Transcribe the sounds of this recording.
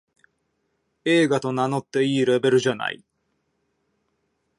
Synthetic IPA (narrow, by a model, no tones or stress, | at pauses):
e̞ːɡat̪o̞nano̞t̪ːe̞iːɾe̞be̞ɾɯ̟ʑana̰ḭ